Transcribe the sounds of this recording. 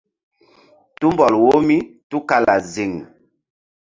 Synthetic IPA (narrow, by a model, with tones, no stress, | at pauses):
tu˦mbɔ˨lwo˦mi˦tu˦ka˦la˨zi˨ŋ